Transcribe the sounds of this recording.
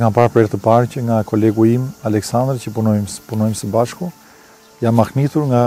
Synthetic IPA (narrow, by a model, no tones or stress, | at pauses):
kanpaɾpɾɛɾt̪əpaɾcəŋɡakɔlɛɡuimalɛksand̪ɾcəpunɔjmpunɔjmsəbaʃkɔ | anmaxnit̪uɾŋɡa